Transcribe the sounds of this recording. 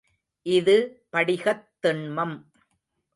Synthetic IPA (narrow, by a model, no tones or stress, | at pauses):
ʔɪðɯpɐɽɪɣɐt̪ːɪɳmɐm